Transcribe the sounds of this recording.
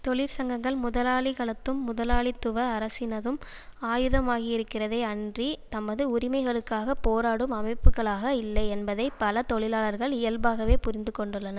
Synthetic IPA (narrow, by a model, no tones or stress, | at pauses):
t̪ɔɭɪɾsɐŋɡɐŋɡɐɭmʊðɐlaːɭɪɣɐɭɐt̪ːɯmːʊðɐlaːɭɪt̪ːʊʋɐːɾɐsɪnɐðɯm | aːjɯðɐmaːɣɪɪɾɯkːɪrɐðɐɪɐɳdrit̪ɐmːɐðɯʊɾɪmɐɪɣɐɭɯkːaːɣɐpoːɾaːɽɯmɐmɐɪpːɯɣɐɭaːɣɐɪlːɐɪɛnbɐðɐɪpɐlɐt̪ɔɭɪlaːɭɐɾɣɐɭɪjɐlbaːɣɐʋeːpʊɾɪnd̪ɯkːɔɳɖɯɭːɐnɐ